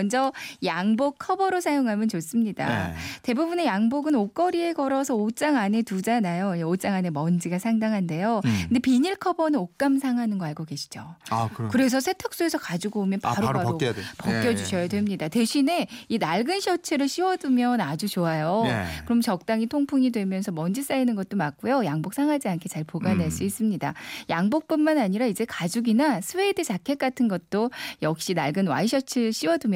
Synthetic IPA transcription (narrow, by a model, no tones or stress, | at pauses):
ʌnd͡ʑʌjaŋbok̚kʰʌbʌɾosʰajoŋɦamjʌnt͡ɕos͈ɯmɲida̰te̞bubune̞jaŋboɡɯnok͈ʌɾie̞ɡʌɾʌsʰʌot͡ɕ͈aŋane̞tud͡ʑanajoeot͡ɕ͈aŋane̞mʌnd͡ʑiɡasʰaŋdaŋɦande̞jokɯndepiɲiɭkʰʌbʌnɯnok͈amsʰaŋɦanɯnɡʌaɭɡoɡe̞ɕʰi̥d͡ʑoakkɯɾe̞s̬ʰʌsʰe̞tʰak̚s͈oe̞sʰʌkad͡ʑiɡoomjʌnpaɾoaopʌkk͈jʌd͡ʑuɕʰʌjadwe̞mɲidate̞ɕʰine̞inaɭɡɯnɕʰʌt͡ɕʰeɾɯɭɕ͈ʰiwʌdumjʌnad͡ʑut͡ɕoajokɯɾʌmt͡ɕʌk̚t͈aŋitʰoŋpʰuŋidwe̞mjʌnsʰʌmʌnd͡ʑis͈ainɯnɡʌt̚t͈omak͈ujojaŋbok̚s͈ʰaŋɦad͡ʑiankʰe̞t͡ɕaɭpoɡaneɭs͈uis͈ɯmɲidajaŋbok̚p͈unmanaɲiɾaid͡ʑe̞kad͡ʑuɡinasʰuwedɯt͡ɕakʰe̞k͈atʰɯnɡʌt̚t͈ojʌk̚ɕ͈inaɭɡɯnwa̰iɕʰʌt͡ɕʰeɾɯɭɕ͈iwʌdumj